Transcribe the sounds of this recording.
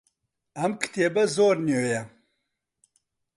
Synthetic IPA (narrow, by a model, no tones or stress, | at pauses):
ɐmkʰɨ̥t̪eːbɐzoːɾnøːjɐ